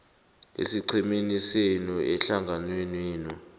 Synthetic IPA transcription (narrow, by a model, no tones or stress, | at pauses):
ḛsiǀʰiminisenuɛɬaŋɡʱanwenwiːnɔ